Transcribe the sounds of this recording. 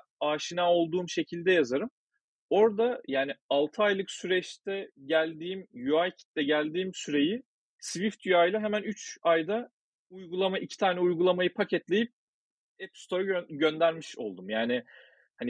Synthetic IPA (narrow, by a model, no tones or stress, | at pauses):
aːʃinaːo̞lˠd̪uːmʃecʰilʲd̪ɛjazaɾɯm | o̞ɾd̪ajaːnialˠt̪ʰɯajlˠɯksyɾɛt͡ʃt̪ʰɛɟælʲd̪iːmjuajcʰi̥t̪̚d̪ɛɟælʲd̪iːmsyɾe̞ji | svift̪jyajlˠaɦemænyt͡ʃajd̪a | ujɡulˠamaʔicʰi̥t̪ʰaːnɛujɡulˠamajɯpʰacʰɛt̪lʲe̞jip̚ | ɛpst̪ʰo̞ɾaɟø̞nd̪æɾmiʃo̞lˠd̪umjaːnɪ | hanɪ